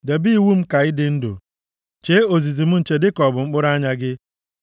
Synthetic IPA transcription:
de˨bi˦i˨wu˦m̩˦ka˨ɪ˦dɪ˦n̩˦dʊ̰˨ | t͡ʃe˦o˨zi˨zi˨m̩˦n̩˨t͡ʃe˨dɪ˦kɔ˨bʊ˨ŋ͡m̩˦k͡pʊ˦ɾa˦ɲa˦ɡɪ˦

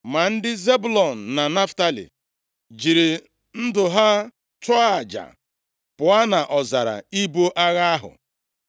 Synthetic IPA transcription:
ma˨n̩˦dɪ˦ze˦bʊ˦lɔ˨n̩˨na˨na˦fta˦lḭ˨ | d͡ʒi˨ɾi˨ | n̩˦dʊ˨ɦa˦ | t͡ʃɔ˦a˦˨d͡ʒa̰˨ | pʊ˨a˦na˨ʔɔ˨za˨ɾa̰˨i˦bo˦ʔa˦ɣa˦a˦ɦʊ̰˨

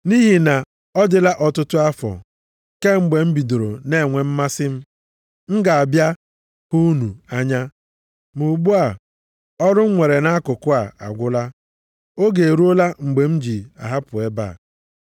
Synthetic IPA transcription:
ni˦ɦi˨na˨ | ɔ˦dɪ˨la˦ʔɔ˨tʊ˦tʊ˦a˦fɔ̰˨ | ke˦ŋ͡m̩˨ɡ͡be˨m̩˦bi˨do˨ɾo˨ne˦˨ŋʷe˨m̩˦ma˦sɪ˦m̩˦ | ŋ̩˦ɡa˨a˨bja˦ | hu˦nu˨a˦ɲa˦ | mu˨ɡ͡bu˦a˨ | ɔ˦ɾʊ˦ŋ͡m̩˦ŋʷe˨ɾe˨na˦kʊ˨kʊ˦a˨a̰˨ɡʷʊ˦la˦ | o˦ɡe˨e˨ɾu˦o˦la˦ŋ͡m̩˨ɡ͡be˨m̩˦d͡ʒi˨a˨ɦa˦pʊ˨e˦ba̰ː˦˨

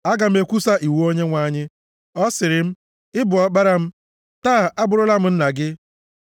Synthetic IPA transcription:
a˦ɡa˨m̩˦e˦kʷu˦sa˦ʔi˨wu˦o˦ɲe˦ŋʷa˦ɲɪ˦ | ɔ˦sɪ˨ɾɪ˨m̩˦ | ɪ˦bʊ˨ɔ˦k͡pa˦ɾa˦m̩˦ | taː˦˨ʔa˦bʊ˨ɾʊ˦la˦m̩˦n̩˦na˨ɡɪ˦

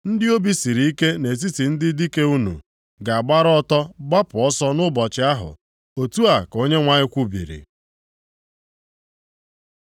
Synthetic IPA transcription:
n̩˦dɪ˦o˦bi˦si˨ɾi˨i˦ke˦ne˨s̬i˦ti˨n̩˦dɪ˦di˦ke˦u˦nṵ˨ | ɡa˨a˨ɡ͡ba˦ɾɔ˦tɔ˦ba˦pʊ˨ɔ˦sɔ˦nʊ˦bɔ˨t͡ʃɪ˦a˦ɦʊ̰˨ | o˨tu˦a˨ko˦ɲe˦ŋʷa˦ɲɪ˦kʷu˦bḭ˨ɾḭ˨

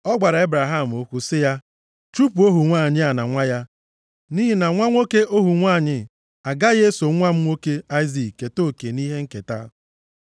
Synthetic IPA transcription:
ɔ˦ɡ͡ba˨ɾa˨e˦bɾa˨ɦa˦˨m̩˨o˦kʷu˨sɪ˦ja˦ | tɾu˦pu˨o˦ɦu˨ŋʷaː˦˨ɲɪ˦a˨na˨ŋʷa˦ja˦ | ni˦ɦi˦na˨ŋʷa˦ŋʷo˦ke˦o˦ɦu˨ŋʷaː˦˨ɲɪ˨ | a˨ɡa˦je˦so˨˦ŋʷa˦m̩˦ŋʷo˦ke˦a˦ɪ˦zi˨kkːe˨to˦˨ke˨ni˦ɦe˦ŋ̩˦ke˨ta̰˦

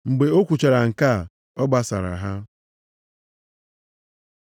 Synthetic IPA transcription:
ŋ͡m̩˨ɡ͡be˨o˦kʷu˨t͡ʃa˨ɾa˨ŋ̩˨ka˦˨ | ɔ˦ɡ͡ba˦sa̰˨ɾa̰˨ɦa˦

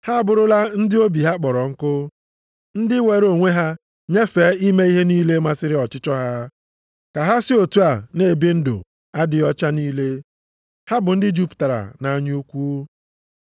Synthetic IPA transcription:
ha˦a˦˨bʊ˨ɾʊ˦la˦n̩˦dɪ˦o˦bi˨ɦa˦k͡pɔ˨ɾɔ˨ŋ̩˦kʊ˦ | n̩˦dɪ˦we˨ɾo˨ŋʷe˦ɦa˦ | ɲe˦feː˨˦i˦me˦i˦ɦe˦niː˦le˦ma˦sɪ˦ɾɪ˦ɔ˨t͡ʃɪ˦t͡ʃɔ˦ɦa˦ | ka˨ɦa˦sɪ˦o˨tu˦a˨ne˨bi˦n̩˦dʊ̰˨ | a˦dɪ˨ɔ˦t͡ʃa˦niː˦le˦ | ha˦bʊ˨n̩˦dɪ˦d͡ʒu˦pta˨ɾa̰˨na˨˦ɲ˦u˦kʷuː˦

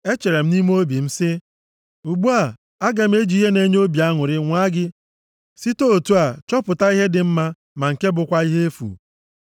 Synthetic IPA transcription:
e˦t͡ʃe˨ɾe˨m̩˦ni˦m˦o˦bi˨m̩˦sɪ˦ | u˨ɡ͡bu˦a˨ | a˦ɡa˨m̩˦e˦d͡ʒi˨˦ɦe˦ne˦ɲ˦o˦bi˨a˦ŋʊ˨ɾɪ˦ŋʷa˦ɡɪ˦ | si˦to˦o˨tu˦a˨t͡ʃɔ˦pʊ˨ta˦i˦ɦe˦dɪ˨m̩˦ma˦ | ma˨ŋ̩˨ke˦bʊ˨kʷa˦i˦ɦe˦e˦fṵ˨

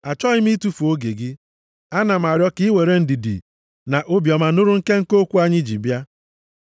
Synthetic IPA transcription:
a˨t͡ʃɔ˦ɣɪ˦mi˦tu˦fu˨o˦ɡe˨ɡɪ˦ | a˦na˨m̩˨a˨ɾjɔ˦ki˦we˨ɾe˦n̩˦di˨dḭ˨ | na˨ʔo˦bjɔ˨ma˨nʊ˦ɾʊ˦ŋ̩˦ke˦ŋ̩˦ko˦kʷu˦a˦ɲɪ˦d͡ʒḭ˨bja˦

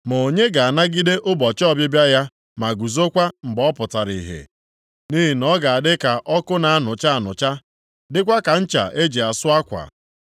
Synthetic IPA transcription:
mo˨ɲe˦ɡa˨a˨na˦ɡi˦de˦ʔʊ˦bɔ˨t͡ʃɔ˦bɪ˦bja˦ja˦ | ma˨ɡu˨zo˦kʷa˦m̩˨bɔ˦pʊ˨ta˨ɾi˨ɦḛ˨ | ni˦ɦi˨nɔ˦ɡa˨a˨dɪ˦ka˨ʔɔ˦kʊ˦na˨a˦nʊ˨t͡ʃa˦a˦˨nʊ̰˨t͡ʃa˦ | dɪ˦kʷa˦ka˨n̩˦t͡ʃa̰˨ʔe˦d͡ʒe˨a˨sʊ˦a˦kʷa̰˨

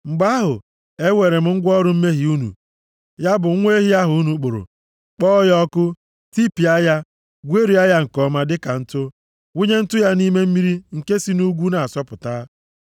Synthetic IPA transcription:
ŋ͡m̩˨ɡ͡ba˦ɦʊ˨ | e˦we˨ɾe˨m̩˦ŋ̩˦ɡʷɔ˦ɾʊ˨m̩˦me˦ɦi˨u˦nṵ˨ | ja˦bʊ˨˦ŋʷe˦ɦi˦a˦ɦʊ˨u˦nu˨k͡pʊ˨ɾʊ̰˨ | k͡pɔ˦jɔ˦kʊ˦ | ti˦pi˨a˦ja˦ | ɡʷe˦ɾi˨a˦ja˦ŋ̩˨kɔ˦ma˦dɪ˦ka˨n̩˦tʊ˦ | wu˦ɲe˦n̩˦tʊ˦ja˦ni˦me˦m̩˦mi˦ɾi˦ŋ̩˨ke˦si˦nu˦ɡʷu˦na˨sɔ˦pʊ˨taː˦

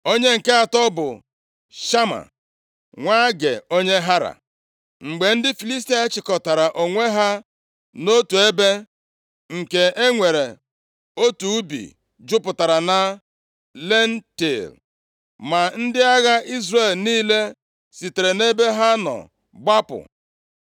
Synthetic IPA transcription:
o˦ɲe˦ŋ̩˨ke˦a˨tɔ˦bʊ̰˨ | ʃa˦ma̰˨ | ŋʷa˦ɡḛ˨o˦ɲe˦ɦa˦ɾa̰˨ | ŋ͡m̩˨ɡ͡be˨n̩˦dɪ˦fi˨li˦s̬ti˦a˦t͡ʃɪ˨kɔ˨ta˨ɾa˨ʔo˨ŋʷe˦ɦa˦ | no˦tu˨e˦be˦ | ŋ̩˨ke˨e˦ŋʷe˨ɾe˨ | o˦tu˨˦bḭ˨ | d͡ʒʊ˦pʊ˨ta˨ɾa˨na˦ | le˦n̩˦ti˨l | ma˨n̩˦dɪ˦a˦ɣa˦i˦zre˦˨lniː˦le˦ | si˨te˨ɾe˨ne˦be˦ɦa˦nɔ̰˨ | ɡ͡ba˦pʊ̰˨

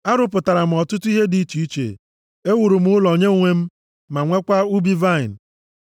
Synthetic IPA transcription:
a˦ɾʊ˨pʊ˨ta˨ɾa˨m̩˨ɔ˨tʊ˦tʊ˦i˦ɦe˦di˨˦t͡ʃu˨i˦t͡ʃḛ˨ | e˦wu˨ɾu˨m̩˦ʊ˦lɔ˨ɲe˦ŋʷe˦m̩˦ | ma˨ŋʷe˦kʷa˦u˦bi˦va˦ɪ˨n̩˨

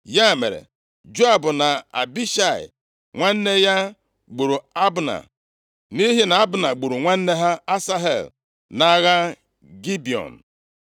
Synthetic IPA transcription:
ja˦˨mḛ˨ɾḛ˨ | d͡ʒo˦a˨bʊ˨na˨a̰˨bi˦ʃa˦˨ɪ̰˨ | ŋʷa˦n̩˦ne˦ja˦ | ɡ͡bu˨ɾu˨a˦bna̰˨ | ni˦ɦi˦na˨a˦bʊ˨na˨ɡ͡bu˨ɾu˨ŋʷa˦n̩˦ne˦ɦa˦a˦sa˦ɦḛ˨l | na˦ɣa˦ | ɡi˦bi˨ɔ̰˨n̩˨

